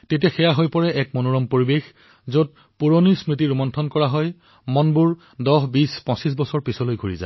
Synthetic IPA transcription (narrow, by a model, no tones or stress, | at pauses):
tet̬ijaxɛjaɦojpɔɹɛʔɛkmonoɹɔmpoɹibex | zot̚ | puɹonismɹit̬iɹumɔntʰɔnkɔɹaɦɔj | mɔnbuɹ | dɔɦbispɔ̃sis̬bɔsɔɹpisɔlojɡʱuɹiza̰